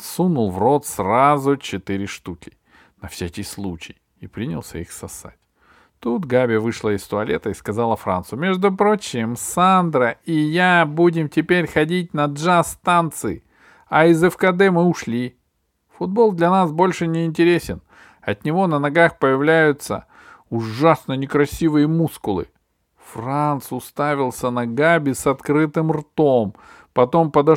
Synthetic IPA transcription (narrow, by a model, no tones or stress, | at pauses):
sunʊlˠvro̞t̪srazʊt͡ɕɪt̪ɨɾʲɪʂt̪ukʲɪ | nɐfsʲakʲɪjslˠut͡ɕɪj | ɪpɾʲinʲɪ̰lˠsʲə̰ixsɐsa̰tʲ | t̪ut̪ɡabʲɪvɨʂlˠəɪst̪ʊɐlʲet̪əɪskɐzalˠəfɾa̰nt̪sʊjʊmʲe̞ʐd̪ʊpɾo̞t͡ɕɪmsand̪ɾəɪjabudʲɪmtʲɪpʲeɾʲxɐdʲit̚ʲnɐʐast̪ant̪sɨɪ | ɐɪzɛfkɐd̪ɛmɨʊʂlʲi | fʊd̪̚bo̞lˠd̪lʲɐnasbo̞lʲʂɨnʲɪːnʲtʲɪɾʲesʲɪn | ɐt̪nʲɪvo̞nənɐɡaxpəjɪvlʲæjʊt̪sə̰ | ʊʐasnənʲɪkɾɐsʲivɨjəmuskʊlˠɨ̰ | frant̪sʊst̪avʲɪlˠsʲənɐɡabʲɪsɐt̪kɾɨt̪ɨmrt̪o̞m | pɐt̪o̞mpəd̪ɐ